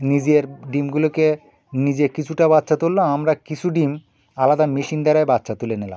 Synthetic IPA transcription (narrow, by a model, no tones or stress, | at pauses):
nid͡ʑeɾɖimɡuloke | nid͡ʑekit͡ɕʰuʈabatːʃʰat̪olːoamɾakit͡ɕʰuɖim | alad̪amiʃind̪ɛɾajbatːʃʰat̪ulenela̰